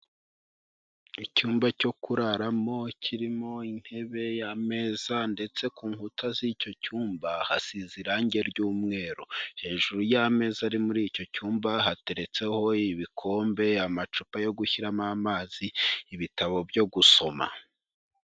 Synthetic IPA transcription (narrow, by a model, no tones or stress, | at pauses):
icuːmbaco̞kuɾaɾamo̞cʰiɾimo̞in̥he̞βe̞jame̞ːzande̞t͡se̞kuːŋhutaziːco̞cuːmbaha̰siziɾaɲɟe̞ɾɟuːmŋe̞ːɾohe̞ːʒuɾujame̞ːzaɾimuɾiːco̞cuːmbaɦate̞ɾe̞t͡se̞ho̞iβikʰo̞ːmbe̞amat͡ʃupajo̞ɡuçiɾamamaːziːβitaβo̞bjo̞ɡuso̞ma̰